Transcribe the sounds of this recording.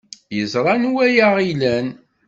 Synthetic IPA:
jəzɾˤɑnuwæjaʁilæn

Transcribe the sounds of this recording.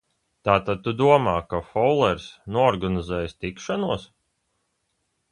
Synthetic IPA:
t̪aːt̪ad̪̚t̪ud̪uɔmaːkafɔwlˠɛɾsnuɔɔɾɡanizɛːjst̪ikʃanuɔs

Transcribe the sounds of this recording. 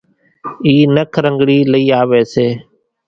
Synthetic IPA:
iːnəkʰɾəŋɡɽiːləiːaːʋeːseː

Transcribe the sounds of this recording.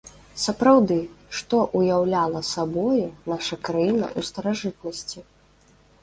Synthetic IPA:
sɐpɾawd̪ɨʂt̪ɔʔujawlʲalˠɐsabɔjunaʂɐkɾajinɐ̰ʔust̪ɐɾaʐɨt̪̚nɐsʲt͡sʲi

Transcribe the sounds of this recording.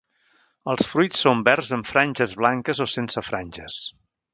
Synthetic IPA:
əlˠsfɾujt͡ssːombɛrzəɱfɾanʲʒəzβlaŋkəzosensəfɾanʲʒə̰s

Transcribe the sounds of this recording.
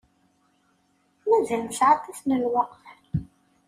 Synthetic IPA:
mæðælnsʕat̪ˤːɑθnəlwɑqf

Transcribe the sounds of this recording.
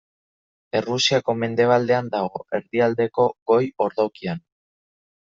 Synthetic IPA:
e̞rusiako̞me̞nd̪e̞β̞ald̪e̞and̪aɣo̞e̞ɾðiald̪e̞ko̞ɣo̞jo̞ɾðawkian

